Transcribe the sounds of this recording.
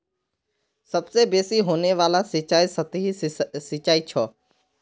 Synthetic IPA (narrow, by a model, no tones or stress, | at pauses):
səbseːbeːsiːɦoːneːʋaːlaːst͡ʃaːisət̪ɦiːsɪt͡ʃaːiːt͡ʃʰɔː